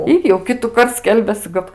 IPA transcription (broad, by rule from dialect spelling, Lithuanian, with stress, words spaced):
ˈɪr jɛʊ ˈkʲɪtʊkɐrt ˈsʲkʲɛlʲbʲɛsɨ ˈkɐt